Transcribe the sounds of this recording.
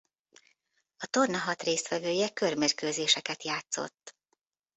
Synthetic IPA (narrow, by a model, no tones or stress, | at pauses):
ɒt̪o̞rnɒɦɒt̪reːst̪ʋɛvøːjɛkø̞rmeːrkøːzeːʃɛkɛt̪jaːt̪so̞̰t̪ː